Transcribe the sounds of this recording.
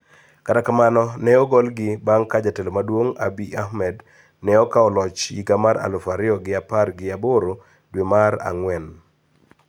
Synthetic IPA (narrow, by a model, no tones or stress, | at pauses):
katakamanɔnɛɔɡɔlɡɪbaŋkad͡ʒatelomadwoŋa̰biahmɛd | nɛɔkaɔlɔt͡ʃḭɡamaɾa̰lʊfaɾɪɔɡɪaparɡɪaboɾo | dwemaɾa̰ŋwɛn